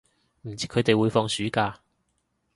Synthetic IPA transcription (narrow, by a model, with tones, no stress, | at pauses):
m̩˨˩t͡siː˨˥kʰɵ˨˧ɥt̪e˨jwuː˨˧jfɔː˧ŋsyː˨˥kaː˧